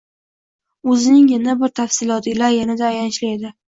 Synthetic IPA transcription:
ɵzɪnɪŋjɪnabɪɾt̪ʰafsɪlɒt̪ʰɪlaɾjanad̪aːjanɪʃlɪed̪ɪ

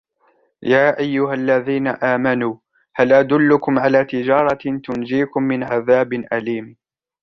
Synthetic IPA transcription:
jaːʔajːʊɦalːaðiːnaʔaːmanuː | halʔad̪ʊlːʊkʊmʕalaːt̪ɪd͡ʒɑːɾˤɑt̪ʊnd͡ʒiːkʊmːɪnʕaðaːbɪʔaliːm

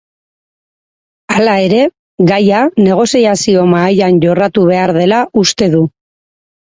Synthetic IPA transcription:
alae̞ɾe̞ | ɣajane̞ɣ̞o̞siasiomaːjanʝo̞rat̪uβ̞e̞aɾðe̞laʔust̪e̞ðu

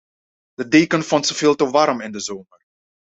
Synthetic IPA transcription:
d̥ədeːkənfɔntsəvɪːlˠtəʋɑrmɪndəzoːmər

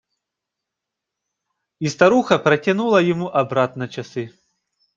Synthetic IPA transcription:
ist̪aɾuxɐpɾɐtʲanulˠɐjamuʔabɾat̪nɐt͡ʃasɨ

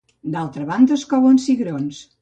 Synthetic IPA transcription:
d̪alˠt̪ɾəβand̪əskɔβonsiɣɾons

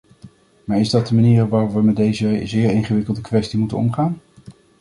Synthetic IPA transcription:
maːɹɪzdɑt̚dəmaniːrʋaːrɔpʋəmɛt̚dejzəzɪːɹeŋχəʋɪkəlˠdəkʋɛstimutə̰nɔ̰mχaːn

